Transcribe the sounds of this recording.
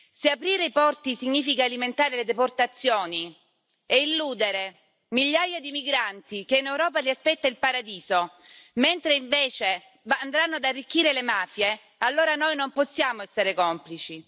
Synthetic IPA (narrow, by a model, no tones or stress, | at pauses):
seapɾiːɾeipɔrt̪isiɲːiːfikaːliment̪aːɾeled̪eport̪at̪sːjoːni | eilːuːd̪eɾe | miʎːajad̪imiɡɾant̪ik̟einewɾɔːpaliaspɛt̪ːailpaɾad̪iːzo | ment̪ɾeiɱveːt͡ʃe | vand̪ɾanːoad̪arːik̟ːiːɾelemaːfje | alːoːɾanojnomposːjaːmoɛsːeɾekɔmplit͡ʃi